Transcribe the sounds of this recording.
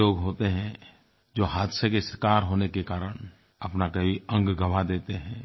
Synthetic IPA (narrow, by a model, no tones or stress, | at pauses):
oːɡɦoːt̪eɦɛ̃ | d͡ʒoːɦaːd̪ʃəkesəɾkaːɾɦoːnekekaːɾəɽ̃ | ɐpnakeiə̃ŋɡɡʱɐʋad̪eːt̪eɦɛ̃ː